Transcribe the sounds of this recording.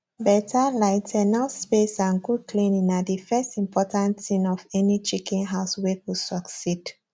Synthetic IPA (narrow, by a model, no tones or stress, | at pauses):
bɛtʰalaɪtʰɛnaspesãnɡud̚klẽnĩnadifɛstĩmpʰɔtãntsĩnɔfɛnit͡ʃikɛ̃nɦaʊswekusɔksid̥